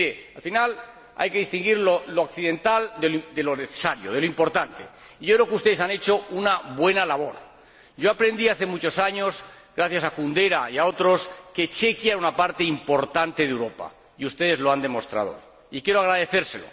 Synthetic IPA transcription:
ɾealfinal | a̰jke̞ðist̪iŋɡiɾloloakθiðe̞nt̪ald̪ed̪eloneθe̥saɾjo̰ð̞e̞loimpo̞ɾt̪ant̪e̞̰ | iʝo̞kɾe̞okeust̪eðe̞sane̞t͡ʃo̞unaβwe̞nalaβo̞ɾ | ɟ͡ʝo̞apɾe̞nd̪iaθe̞mut͡ʃo̞saɲo̞sɣɾaθjasakund̪e̞ɾaiao̞t̪ɾo̞ske̞t͡ʃe̞kjaeunapaɾt̪eimpo̞ɾt̪ant̪e̞ðewɾo̞pa̰ | iust̪e̞ðe̞zlo̞and̪e̞mo̞st̪ɾa̰ðo̞̰ | ikjeɾoaɣɾaðe̞θe̞ɾse̞lo̞̰

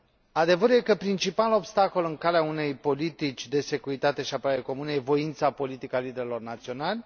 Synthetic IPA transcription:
ad̪e̞vəɾuje̞kəpɾint͡ʃipalo̞bst̪ako̞lɨŋkaleaune̞jpo̞lit̪it͡ʃʲd̪e̞se̞kuɾit̪at̪e̞ʃiapəɾaɾeko̞munəje̞vo̞int̪sapo̞lit̪ikəalid̪eɾilo̞rnat̪sio̞nalʲ

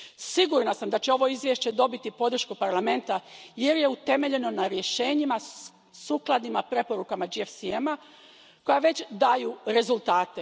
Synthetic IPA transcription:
siɡuɾnasamd̪at͡ɕeo̞ʋo̞izʋjeʃt͡ɕe̞d̪o̞bit̪ipo̞d̪r̩ʃkupaɾlˠame̞nt̪ajeɾje̞ut̪e̞me̞ʎe̞no̞naɾje̞ʃeːɲima | suklˠad̪imapɾe̞po̞ɾukamad͡ʒiefsiema | ko̞jaʋe̞t͡ɕd̪ajuɾe̞zulˠt̪aːt̪e

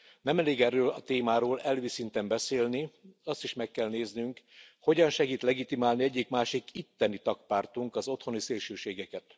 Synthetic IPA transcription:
nɛmɛleːɡɛrːøːlɒt̪eːmaːɾoːlɛlʋisint̪ɛmbɛseːlniɒst̪iʃmɛkːɛlneːznyŋkho̞ɟɒnʃɛɡiːt̪lɛɡit̪imaːlniɛɟːikmaːʃikit̪ːɛnit̪ɒk̚paːrt̪uŋkɒzo̞t̪ho̞niseːlʃøːʃeːɡɛkɛt̪

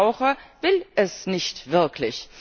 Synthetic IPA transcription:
ʊxəvɪlʔɛsnɪçtv̥ɪɐkʰlɪç

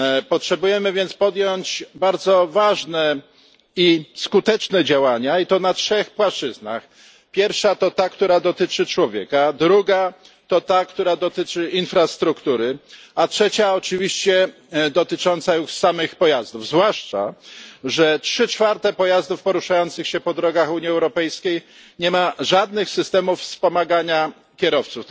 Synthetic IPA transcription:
pɔtʂɛbujɛmɘvʲjɛnt̪spɔd̪jɔɲt͡ɕbaɾd̪zɔvaʐnɛ | iskut̪ɛt͡ʂnɛd͡ʑawaɲait̪ɔnatʂɛxpwaʂt͡ʂɘzna̰x | pʲjɛɾfʂat̪ɔt̪akt̪uɾad̪ɔt̪ɘt͡ʂɘt͡ʂwɔvʲjɛkad̪ɾuɡa | t̪ɔt̪akt̪uɾad̪ɔt̪ɘt͡ʂɘʔinfɾast̪ɾukt̪uɾɘatʂɛt͡ɕaɔt͡ʂɘvʲiɕt͡ɕɛ | d̪ɔt̪ɘt͡ʂɔnt̪sajuʂsamɘxpɔjazd̪uvzvwaʂt͡ʂa̰ʐɛtʂɘt͡ʂfaɾt̪ɛpɔjazd̪ufpɔɾuʂajɔnt̪sɘxɕɛpɔd̪ɾɔɡaxuɲiɛwɾɔpɛjskʲejɲɛmaʐad̪nɘxsɘst̪ɛmufspɔmaɡaɲa | kʲɛɾɔft̪suf

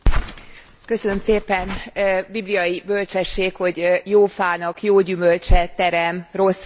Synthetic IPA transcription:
kø̞sønømseːpɛnbiblijɒjibø̞lt͡ʃɛʃːeːkho̞ɟjoːfaːnɒkjoːɟymø̞lt͡ʃɛt̪ɛɾɛmro̞s

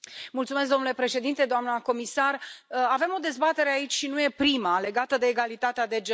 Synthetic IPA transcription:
mult̪sumes̬kd̪o̞mnule̞pɾe̞ʃe̞d̪int̪e̞d̪oamnəko̞misarəave̞mo̞d̪e̞zbat̪e̞ɾeait͡ʃʲʃinuje̞pɾimale̞ɡat̪əd̪e̞ːɡalit̪at̪ead̪e̞d͡ʒe

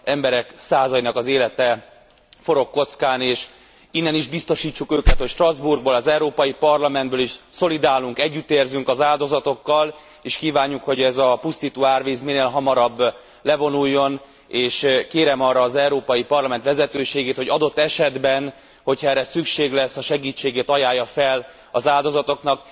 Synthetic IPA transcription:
ɛmbɛɾɛksaːzɒjinɒkɒzeːlɛt̪ɛ | fo̞ɾo̞kːo̞t̪skaːneːʃ | inːɛniʒbist̪o̞ʃiːt͡ʃːukøːkɛt̪ho̞cʃt̪rɒzburɡ̚bolɒzɛuɾoːpɒjipɒrlɒmɛnd̪bøːliʃso̞lid̪aːluŋkɛɟːyt̪ːeːrzyŋkɒzaːld̪o̞zɒt̪o̞kːɒl | eːʃkiːvaːɲːukho̞ɟɛzɒpust̪it̪uaːrveːzmineːlɦɒmɒɾɒbː | lɛvo̞nujːo̞n | eːʃkeːɾɛmɒrːɒːzɛuɾoːpɒjipɒrlɒmɛnt̪ʋɛzɛt̪øːʃeːɡeːt̪ho̞ɟɒd̪o̞t̪ːɛʃɛd̪bɛn | ho̞chɒɛrːɛsykʃeːɡlɛsːɒʃɛɡiːt͡ʃːeːɡeːt̪ɒjaːjːɒfɛl | ɒzaːld̪o̞zɒt̪o̞knɒk

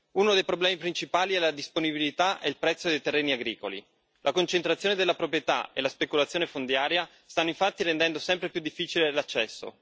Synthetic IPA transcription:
unod̪ejpɾoblɛːmipɾint͡ʃipaːliɛlad̪isponibilit̪aʔɛilpɾɛt̪sːod̪ejt̪erːeːniaɡɾiːkolḭ | lʔakont͡ʃent̪ɾat̪sjoːned̪elːapɾopɾjet̪a̰ḛlaspekulat̪sjoːnefond̪jaːɾja | st̪anːoiɱfat̪ːiɾend̪ɛnd̪osɛmpɾepjud̪ːifːiːt͡ʃilelat͡ʃːɛsːo̰

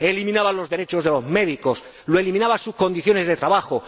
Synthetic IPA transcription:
elimĩnaβanlo̞zðe̞ɾe̞t͡ʃo̞zðe̞lo̞zme̞ðiko̞s | loe̞limĩnaβasusko̞nd̪iθjo̞ne̞zðet̪ɾaβaxo

